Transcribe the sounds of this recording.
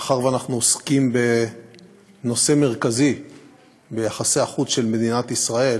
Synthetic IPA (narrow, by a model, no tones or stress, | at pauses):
aχaʁveanaχnuoskimbe̞ | no̞se̞me̞ʁkazi | be̞jaχase̞aχutʃe̞lme̞d̪inat̪isʁae̞